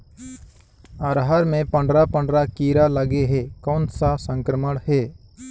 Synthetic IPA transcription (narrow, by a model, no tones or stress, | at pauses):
əɾɦaɾmẽpə̃ɳɖɾapə̃ɳɖɾakiːɾaləɡeɦekɔːnsasə̃ŋkɾəməɽheː